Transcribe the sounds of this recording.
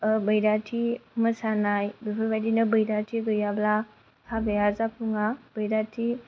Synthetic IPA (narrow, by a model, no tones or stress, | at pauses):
bəjɾatʰiməsanajbipʰɯbajdinɯbəjɾatʰiɡɯjabla | kʰabejazapʰuŋab̥əjɾatʰi